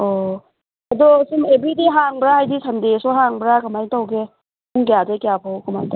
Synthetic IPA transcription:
ɔ | ɐdɔsimebɾidiɦaŋbɾaɦajdisandesɔɦaŋbɾakamajtawɡe | uŋkjadekijapʰɔwkɐma̰jta

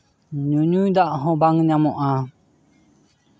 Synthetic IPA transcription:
ɲuɲujd̪aʔɦɔ̃baŋɲamɔʔa

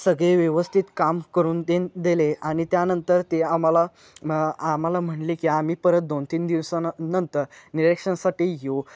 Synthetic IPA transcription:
səɡɭeʋjəʋəst̪ʰit̪kamkəɾuːnd̪end̪eleaɽ̃it̪janənt̪əɾt̪eam̤ala | am̤alam̤əɳlikiam̤iːpəɾət̪̚d̪ont̪iːnd̪iʋsanənt̪əɾniɾekʂənsaʈiːjo

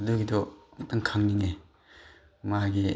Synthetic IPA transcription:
duɡidɔmtaŋkʰaŋniŋe | maɡi

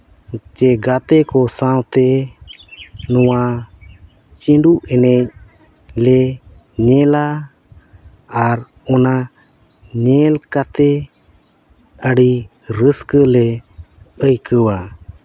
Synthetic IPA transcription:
t͡ʃɛɡat̪ɛkɔsãwt̪ɛ | nɔwa | t͡ʃiɳɖuʔɛnɛc̚ | lɛ | ɲɛla | aɾ | ɔna | ɲɛlkat̪ɛ | əɽi | ɾəskəlɛ | əjkəwa

